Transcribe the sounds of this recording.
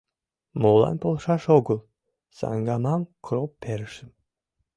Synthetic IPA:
molˠa̰npʰolˠʃaʃoɡʊlˠ | sa̰ŋɡamamkʰɾopʰːeɾʃɨm

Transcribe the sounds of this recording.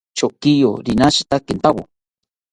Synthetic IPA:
t͡ʃokijo̰ɾinaʃi̥t̪akɪnt̪awo̰

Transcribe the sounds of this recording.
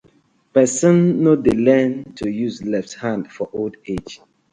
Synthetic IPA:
pɛsɔ̃nːodəlɛ̃ntʰujuzlɛfthãndfɔʔolded͡ʒ

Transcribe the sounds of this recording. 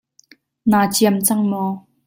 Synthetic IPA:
naːt͡siəmt͡sɐŋmɔː

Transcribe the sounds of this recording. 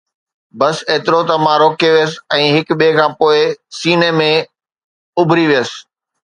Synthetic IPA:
bɐseːt̪ɪɾot̪ɐmãːɾoːkeʋijəs̬ɪ̥̆ɛ̃ːɦɪkɓekʰãːpoːɪsiːnemẽ | ʊbʱɾiʋijəsɪ̥̆

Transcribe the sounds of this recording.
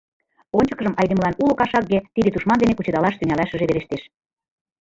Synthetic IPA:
onʲt͡ɕɤ̥̆kə̆ʒəmʔɑjd̪ĕməlɑnulŏkɑʃɑkɡet̪id̪et̪uʃmɑnd̪enekut͡ɕɤ̆d̪ɑlɑʃt̪yŋʲælɑʃə̆ʒeβeɾeʃt̪eʃ

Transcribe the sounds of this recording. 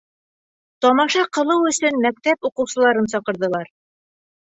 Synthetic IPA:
t̪ɒmɑʃɑqɤ̆lˠɤwɵ̆sɵnmæk̚t̪æpuqɤ̆wsɤ̆lˠɑɾɤnsɒqɤ̆ɾðɤ̆lˠɑɾ

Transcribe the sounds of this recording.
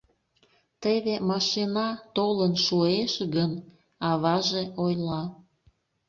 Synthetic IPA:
t̪eβemɑʃinɑt̪olənʃueʃɣən | ɑβɑʒeʔojlɑ

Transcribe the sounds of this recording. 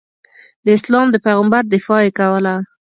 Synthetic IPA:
d̪əɪslɑmd̪əpajɣambaɾd̪ɪfɑekawəla

